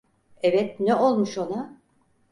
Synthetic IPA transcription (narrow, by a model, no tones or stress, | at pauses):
evɛt̪nɛʔo̞lˠmuʃo̞na